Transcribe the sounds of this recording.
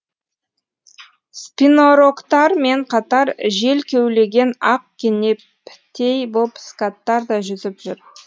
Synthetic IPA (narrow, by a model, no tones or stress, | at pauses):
spʲinoɾokt̪ɑɾme̞ɴqʰɑt̪ɑɾʒe̞lkʲʰewle̞ɡʲe̞nɑq̚kʲʰene̞ | pʰɪ̥t̪ʰe̞jbopskat̪ːɑɾd̪ɑʒʏzɪpʒʏɾ